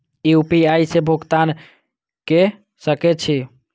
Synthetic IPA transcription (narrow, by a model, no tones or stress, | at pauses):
iupiajsebʱukt̪an | ke | səket͡ʃʰi